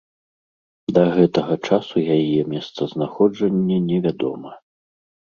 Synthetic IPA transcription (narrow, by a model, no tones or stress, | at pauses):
d̪ɐɣɛt̪ɐɣɐt͡ʂasujajɛmʲɛst̪sɐznaxɔd͡ʐɐnʲːɛnʲɛvʲad̪ɔ̰mɐ